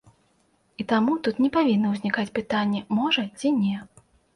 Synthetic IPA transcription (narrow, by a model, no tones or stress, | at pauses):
it̪amut̪ut̪nʲɛpavʲinːɐwzʲnʲikat͡sʲpɨt̪anʲːɛmɔʐɐt͡sʲinʲɛ